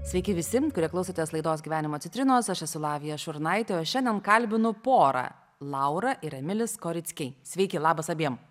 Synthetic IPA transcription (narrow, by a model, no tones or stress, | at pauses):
sʲʋʲɛɪkʲɪʋʲɪsʲɪkʊɾʲiɛklˠɐʊsʲoːt̪ʲeslˠɐɪd̪oːsɡʲiʋʲæːnʲɪmoːt̪ʲɪt̪ʲɾʲɪnoːsɐʃɐsʊlˠɑːʋʲɪjɛʃʊɾnɐɪt̪ʲeɐʃʃʲɛnʲd̪ʲɛnkɐlʲbʲɪnʊpoːɾɑ̰ː | lˠɐʊɾɐʔɪɾɐmʲɪlʲɪskoːɾʲɪt̪sʲkʲɛɪsʲʋʲɛɪkʲɪlˠɑːbɐsɐbʲiɛm